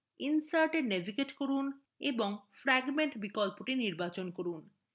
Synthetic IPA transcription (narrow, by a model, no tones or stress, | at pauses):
insaɾʈenebʱikeʈkoɾun | eboŋfɾɛɡmeɳʈbikɔlpoʈiniɾbat͡ɕonkoɾun